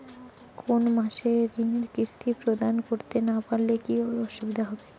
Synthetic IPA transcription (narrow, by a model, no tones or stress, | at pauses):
kʰonmaʃeɾineɾkɾist̪ʰipɾod̪ankoɾt̪enapaɾlekioɾɔʃubid̪ʱaɦɔbe